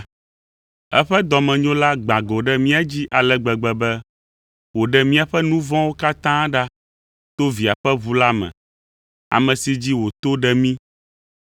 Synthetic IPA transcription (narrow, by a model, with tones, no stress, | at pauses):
ɛ˦ɸɛ˦d̪ɔ˨mɛ̃˨ɲõ˦la˦ɡ͡bã˨ɡo˨ɖɛ˦mĩ˦a˦d͡ʑi˦ʔa˨lɛ˦ɡ͡bɛ˨ɡ͡bɛ˨bɛ˦ | wo˨ɖɛ˨mĩ˦a˨ɸɛ˦nũ˦vɔ̃˦wo˦ka˦t̪ã˦ɖa˦ | t̪o˦vi˨a˨ɸɛ˦βu˦la˦mɛ̰̃˨ | a̰˨mɛ̃˨si˦d͡ʑi˦wo˨t̪o˦ɖɛ˦mĩ˦